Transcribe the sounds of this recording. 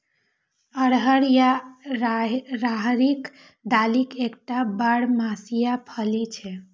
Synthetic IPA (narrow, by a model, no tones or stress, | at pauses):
əɽɦəɽja | ɾaɦɾik | d̪alikekʈabaɽmasijapʰəlit͡ʃʰɛ